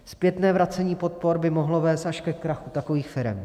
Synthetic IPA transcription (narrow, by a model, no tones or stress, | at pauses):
spjɛt̪nɛːvɾat͡sɛɲiːpo̞t̪̚po̞ɾbɪmoɦlovɛːst̪ʔaʃkɛkɾaxut̪akoviːxfɪɾɛ̰m